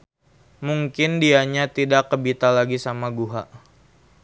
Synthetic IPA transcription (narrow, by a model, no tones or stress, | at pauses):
muŋkɪndiaɲat̪idakːəbit̪alaɡisamaɡuɦaʔ